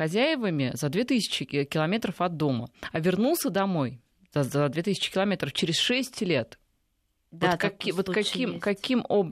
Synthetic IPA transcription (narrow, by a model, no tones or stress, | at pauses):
xɐzʲæjɪvəmʲɪzɐd̪vʲet̪ɨsʲɪ̥t͡ɕɪkʲɪlˠɐmʲet̪ɾəfɐd̪ːo̞mə̰ɐvʲɪrnulˠsʲəd̪ɐmo̞j | z̥ɐzɐd̪vʲet̪ɨsʲɪ̥t͡ɕɪ̥kʲɪlˠɐmʲet̪ɾəft͡ɕɪɾʲɪsʂɛsʲtʲlʲe̞t̪ | otkɐkʲivot̪kɐkʲimkɐkʲimob